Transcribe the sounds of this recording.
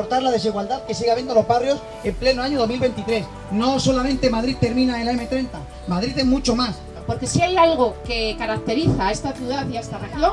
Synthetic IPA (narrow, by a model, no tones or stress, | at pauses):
oɾt̪aɾlað̞e̞siɣwald̪aðke̞siɣaβjend̪olo̞zβarjo̞s | e̞mplenoaɲoð̞o̞zmilβe̞nt̪it̪ɾe̞s | no̞so̞lamẽ̞nt̪e̞mað̞ɾit̪e̞ɾmĩnaelaeme̞t̪ɾe̞nt̪a | maðɾiθemut͡ʃo̞mas | po̞ɾke̞siajalɣ̞o̞ke̞kaɾak̚t̪e̞ɾiθae̞st̪aθjuðaθiaest̪areɣaðo